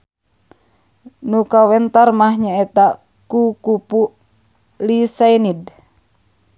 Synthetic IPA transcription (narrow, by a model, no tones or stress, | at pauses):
nukawɛnt̪armahɲaɛt̪a | kukupuʔ | lisajnid